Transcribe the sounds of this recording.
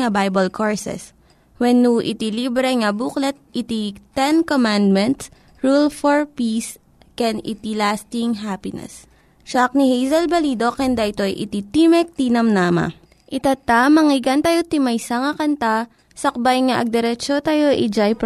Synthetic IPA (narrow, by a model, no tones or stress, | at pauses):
ɐbajbɐlkʰoɹsɛ̰s | wɛnːuʔɪ̰t̪ilibɾɛŋɐbuːklɛt̪̚ʔɪt̪it̪ɛnkomand̪̚mɛnt̪s | ɹulfoɹpis | kɛnɪ̰t̪ilast̪ɪŋɦapɪnɛ̰s | ʃak̚nihejzɐlbɐliːd̪okɛnd̪ɐʔɪt̪o̞ɐjʔɪ̰t̪it̪imɛk̚t̪inɐmnaːmɐ̰ | ʔɪt̪at̪amɐŋɪɡɐnt̪ɐjot̪ɪmɐjsɐŋɐkɐnt̪a | sɐk̚bajŋaʔɐɡ̚d̪ɛɾɛt͡ʃot̪ajo̞ʔid͡ʒajp